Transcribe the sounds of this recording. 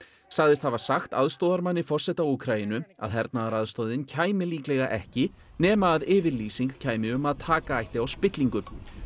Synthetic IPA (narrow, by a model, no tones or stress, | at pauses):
saɣðɪst̪havasaxt̪a̰ðst̪owðaɾmanːɪfɔr̥sɛht̪aukʰɾajinʏa̰ðɦɛɾt̪naðaɾaðst̪oːwðɪncʰaːjmɪliːklɛɣaʔɛ̰hcɪ | nɛːmaːðɪːvɪɾliːsiŋkcʰaːjmɪʏmaðt̪ʰaːkaajht̪ɪawspɪt̪liŋkʏm